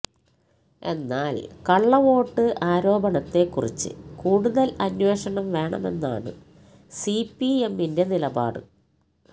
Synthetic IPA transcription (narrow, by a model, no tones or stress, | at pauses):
e̞̰nːaːlkɐɭːɐʋo̞ːʈːɨʔaːɾo̞ːbɐɳɐt̪ːe̞kːurḭt͡ɕːɨ̰kuːɽuðɐlɐnwe̞ːʂɐɳɐmʋe̞ːɳɐ̰me̞̰nːa̰ːɳɨ̰ | sipːiemːinde̞nilɐba̰ːɽɨ̰